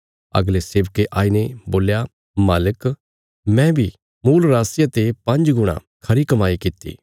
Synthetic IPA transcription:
ɐ̰ɡleseːʋkeʔaːineboːlja | maːlək | mɛ̃bʱi | muːlɾaːsɪjat̪epɐ̃nd͡ʒɡʊɽ̃ã̰ | kʰɐɾikɐmaːikɪt̪ːḭː

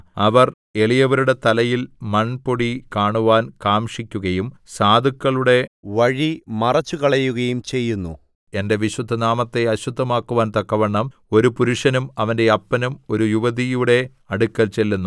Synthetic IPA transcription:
ɐʋɐr | e̞ɭijɐʋɐɾuɽe̞t̪ɐlɐjilmɐnpoɽikaːɳuʋaːnkaːmʂikʲːuɣɐjumsaːd̪ʱukːɐɭuɽe̞ʋɐɻimɐrɐt͡ɕːukɐɭɐjːuɣɐjumt͡ɕe̞jːunːṵ | e̞nde̞ʋiɕwud̪ʱːɐnaːmɐt̪ːe̞ɐɕud̪ʱːɐmaːkːuʋaːnt̪ɐkːɐʋɐɳːɐmo̞ɾupuɾuʂɐnumɐʋɐnde̞ɐpːɐnumo̞ɾujuʋɐðijuɽe̞ | ɐɽukːɐlt͡ɕe̞lːunːu

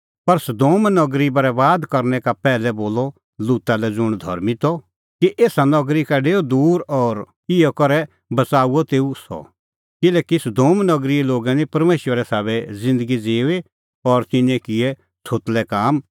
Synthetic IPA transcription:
pɐɾsɐd̪oːmnɔɡɾibɐɾɛʋaːd̪kɐɾnɛkapɛːlɛboːlɔ | luːt̪alɛd͡zʊɽ̃d̪ʱɐ̰ɾmit̪ɔ | kiʔeːsanɔɡɾikaɖeːod̪uːɾɔːɾ | ɪjɔkɐɾɛ | bɐt͡saːuɔt̪eːusɔ̰ | kɪlɛːkisɐd̪oːmnɔɡɾiloːɡanĩpɐɾmeːʃwəɾɛsaːβɛzɪ̃nd̪əɡid͡zeːe | ɔːɾt̪ɪnɛ̃kɪɛ | t͡sʰoːt̪lɛkaːm

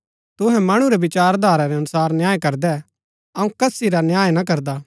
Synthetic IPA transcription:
t̪ʊɦɛ̃mɐɽ̃uɾebɪt͡ʃaːɾd̪ʱaːɾaɾeɐnʊsaːɾnjaːjekɐɾd̪ɛ | ɐũkɐsiɾanjaːjnakɐɾd̪aː

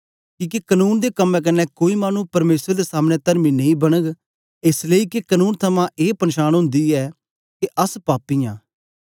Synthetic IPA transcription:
kĩːkekənuːnd̪ekəmːɛ̃k̬ɪnːɛːkoːimaːnupɐɾmeːsɾd̪eːsaːmnɛt̪əɾmiːnɐĩbɐñəɡ | ɪsleiːkekənuːnt̪ʰəmãːʔeːpənʃaːñɦʊ̃nd̪iːɛː | keʔəspaːpijã̰ː

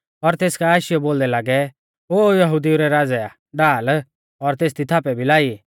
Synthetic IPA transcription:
ɔɾt̪eːskaaːʃɪjɔboːld̪ɛlaːɡɛ | oːjɐɦud̪iuɾɛɾaːd͡zɛa | ɖaːl | ɔɾt̪eːst̪it̪ʰaːpɛbʱilaːi

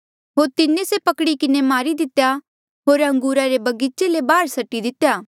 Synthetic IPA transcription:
ɦoːɾt̪ɪnẽsepɐkɽikɪnemaːɾid̪ɪt̪ja | ɦoːɾɦɐ̃ŋɡuːɾaɾebɐɡit͡ʃelebaːɾsɐʈːid̪ɪt̪ːjaː

